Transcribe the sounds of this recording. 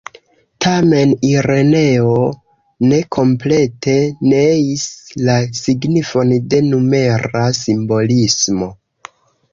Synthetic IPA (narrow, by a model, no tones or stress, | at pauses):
tʰame̞niɾe̞ne̞o | ne̞kʰo̞mple̞te̞neislasiɡnifo̞nde̞nume̞ɾasimbo̞lismo̞